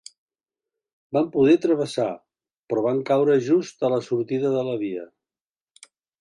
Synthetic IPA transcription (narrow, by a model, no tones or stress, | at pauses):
bampuðɛt̪ɾəβ̞əsa | pɾɔβaŋkawɾəʒust̪ələsuɾt̪iðəðələβ̞iə̰